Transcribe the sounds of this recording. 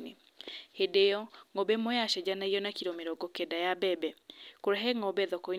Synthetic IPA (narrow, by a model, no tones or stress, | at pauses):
ne | hedejɔŋɔbɛmojaʃɛd͡ʑanaijɔnakiɾomeɾɔɡɔkɛdajabɛbɛkoɾɛɦɛŋɔbɛðɔkɔi